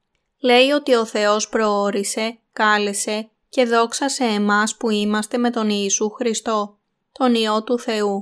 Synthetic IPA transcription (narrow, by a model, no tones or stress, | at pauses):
le̞io̞t̪io̞θe̞o̞spɾo̞o̞ɾise̞kɐlese̞ | ce̞ðo̞ksɐse̞ːmɐspuimɐst̪e̞me̞t̪o̞niːsuxɾist̪o̞ | t̪o̞nio̞t̪uθe̞u